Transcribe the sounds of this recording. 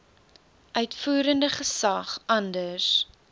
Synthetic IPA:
ʔœɥtfuːɾəndəχəsɐχʔɐndəs

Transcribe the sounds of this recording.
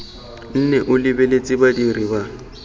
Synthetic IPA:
n̩nɛʔʊlɪbelet͡sʼɪbadiriba

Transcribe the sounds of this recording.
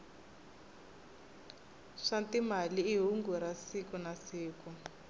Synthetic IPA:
ʂantimaliːɦuŋɡuɾasikunasiːku

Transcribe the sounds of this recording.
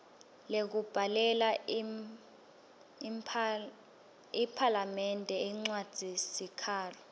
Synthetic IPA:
lek̬ub̥ʱalɛla | ipʰalamɛndʱɛiŋ͡ǀwad̥ʱisikʰaːlɔ

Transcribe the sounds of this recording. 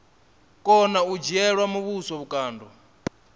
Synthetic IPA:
kʼɔnaud͡ʒiɛɺwamuβusɔβukʼaːndɔ

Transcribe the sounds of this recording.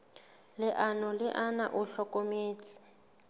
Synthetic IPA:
lɪʔanɔlɪʔana̰ʔʊɬɔkʼomeːt͡si̥

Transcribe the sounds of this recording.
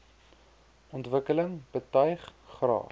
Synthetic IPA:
ɔntvəkələŋb̥ətœjχχrɑ̰ː

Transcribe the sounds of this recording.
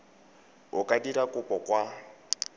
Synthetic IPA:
ʊkʼadirakʼʊpʼɔkʼwa

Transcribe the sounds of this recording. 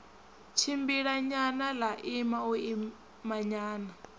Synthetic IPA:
t͡ʃʰimbiɺaɲanalaʔimaui | maɲaːna

